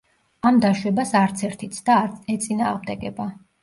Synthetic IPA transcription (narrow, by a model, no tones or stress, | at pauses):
amd̪aʃwɛbasaɾt̪sʰɛɾt̪ʰit̪sʰd̪aɛt̪sʼinaːʁmd̪ɛɡɛba